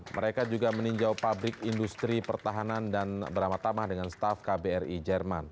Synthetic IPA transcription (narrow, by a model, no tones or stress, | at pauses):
mə̰ɾekad͡ʒuɡaməniɲd͡ʒawpabɾɪkindust̪ɾipərt̪aɦanandanbəɾamat̪amahdəŋanst̪afkabeɛrid͡ʒɛrman